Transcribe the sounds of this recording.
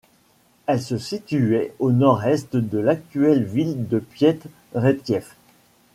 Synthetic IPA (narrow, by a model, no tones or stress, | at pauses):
ɛlsəsit̪yɛonɔʁɛst̪d̪əlak̚t̪yɛlvild̪əpjɛt̪ | ʁet̪̚kjɛf